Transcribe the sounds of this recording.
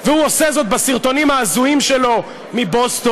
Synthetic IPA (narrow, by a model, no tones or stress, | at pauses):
vehuose̞zo̞t̪̚basiʁt̪o̞nimhaːzuimʃelo̞ | mibost̪o